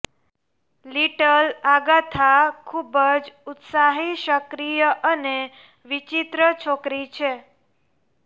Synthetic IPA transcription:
liʈəlaɡat̪ʰakʰubəd͡ʒut̪saɦiʃəkɾijəʔəne | ʋit͡ʃit̪ɾət͡ʃʰokɾit͡ʃʰe

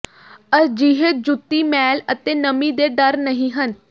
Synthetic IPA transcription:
əɾd͡ʒiːɦeːd͡ʒʊt̪ːiːmɛːlət̪eːnəmiːd̪eːɖəɾnəɦĩːɦən

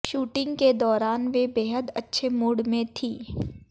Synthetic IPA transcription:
ʃuːʈɪ̃ŋɡked̪ɔːɾaːnʋebeːɦəd̪ɐtːʃʰemʊːɽmẽt̪ʰiː

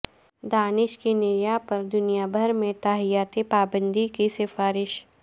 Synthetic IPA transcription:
d̪aːnɪʃkenɪɾjapɐɾd̪ʊnijabʱɐɾmẽt̪aːɦijaːt̪epaːbə̃nd̪ikisɪfaːɾɪʃ

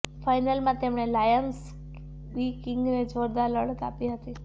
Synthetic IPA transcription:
fajnəlmãt̪emɳ̃elajəns | ikɪŋɡned͡ʒʋəɾd̪aləɽək̪a̰piɦət̪i

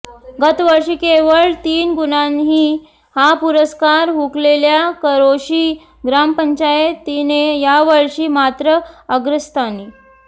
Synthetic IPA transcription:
ɡət̪ʋəɾʂiːkeʋəɭt̪iːnɡunanɦiː | hapuɾəskaɾɦukleljakəɾoɕiː | ɡɾampəɲt͡ɕajet̪inejaʋəɭʂiːmat̪ɾəəɡɾəst̪ani

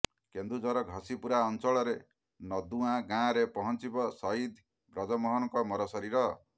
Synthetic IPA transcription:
kend̪ud͡ʒɔɾɔɡʱɔsipuɾaɔnt͡ʃɔɭɔɾe | nɔd̪uãɡãɾepɔɦɔnt͡ʃibɔsɔid̪ʱ | ɡɾɔd͡ʒɔmɔɦɔnɔŋkɔmɔɾɔsɔɾiɾɔ

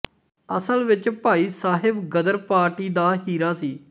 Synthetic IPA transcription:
əsəlʋɪt͡ʃpaːiːsaːɦɪbɡəd̪əɾpaːɾʈiːd̪aːɦiːɾaːsiː

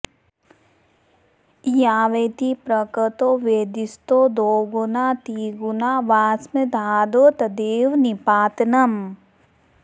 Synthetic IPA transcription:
jaːʋeːt̪ipɾɐkət̪oʋeːd̪ist̪od̪oːɡunaːt̪iːɡunaːʋaːsmed̪ʱaːd̪oːt̪ɐd̪eːʋnipaːt̪nɐm

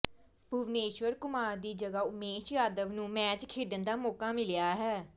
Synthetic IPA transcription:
bʱʊʋneːʃʋəɾkʊmaːɾd̪iːd͡ʒəɡaːʊmeːʃjaːd̪əʋnũːmɛ̃ːt͡ʃkʰeːɖənd̪aːmɔːkaːmɪlɪjaːɦɛː

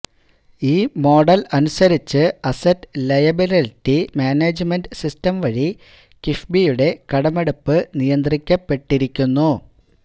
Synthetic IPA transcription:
iːmo̞ːɖɐlɐnusɐɾit͡ɕːɨɐsɐtːlɐjɐbilɐltːimaːneːd͡ʑɨmenɖsistɐmʋɐɻi | kifbijuɽe̞kɐɽɐme̞ɽupːɨnijɐnd̪rikʲːɐpːe̞ʈːiɾikʲːunːu

